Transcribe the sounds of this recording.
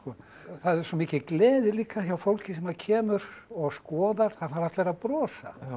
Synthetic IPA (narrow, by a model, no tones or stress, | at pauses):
skɔ | θaðɛɾ̥sɔmiːcɪklɛːðɪliːkaçjawfowlcɪs̬ɛmaðcʰɛːmʏɾɔɣskɔːðaɾ̥θaðfaːɾaft̪leɾaðpɾɔːsa̰